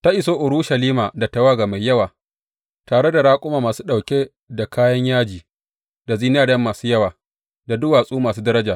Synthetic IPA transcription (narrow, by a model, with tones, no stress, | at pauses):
ta˦ʔɪ˨soː˦ʔʊ˨ɽuː˦ʃɐ˨liː˦maː˨da˨tɐ˨waː˦ɡa˨ma˨jːɐ˦waː˨ | taː˨ɽe˦da˨ɽaː˦kʷʼʊ˦maː˨maː˨suː˦ɗa˨wkʲeː˦ | da˨kaː˦jɐ˦ɲjaː˦d͡ʒiː˨ | da˨ziː˦n˦aː˦dɐ˦mːaː˨suː˦jɐ˦waː˨ | da˨dʊ˦waː˨sʼuː˦maː˨s̬uː˦dɐ˦ɾɐ˦d͡ʒaː˨